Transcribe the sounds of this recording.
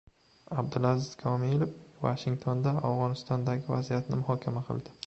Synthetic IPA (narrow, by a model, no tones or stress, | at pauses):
ab̚d̪ɪlazɪz̥kʰɒmilˠofvaʃɪŋt̪ʰond̪aawʁɒnɪst̪ʰɒnd̪aɡʲɪva̰zijat̪nɪmʊhɒkʲʰamaqʰɨ̰lˠd̪ɪ